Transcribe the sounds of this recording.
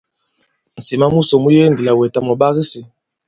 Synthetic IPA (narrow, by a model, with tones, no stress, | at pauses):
n̩˨si˨ma˦mu˦sɔ˨mu˦je˦ndi˨la˨wɛ˨ta˦m˨ɔ˨ɓa˦ɣi˦si˨